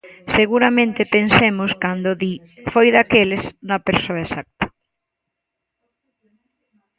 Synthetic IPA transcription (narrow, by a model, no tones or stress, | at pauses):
seɣuɾamẽnt̪epensemʊskand̪oði | fojðakelesnɐpeɾsoɐesak̚t̪ɐ̥